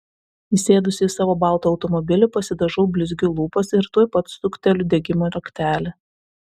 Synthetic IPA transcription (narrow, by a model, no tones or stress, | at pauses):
isʲeːd̪ʊsʲɪsɑːʋoːbɑˑlˠt̪oːʊt̪ɔmɔbʲɪlʲʊpɐsʲɪd̪ɐʒɔʊbʲlʲɪzʲɡʲʊlˠuːpɐsɪɾt̪uɔjpɐt̪sʊkʲt̪ʲɛlʲʊd̪ʲɛɡʲɪmoːɾʲɐkʲt̪ʲæːlʲe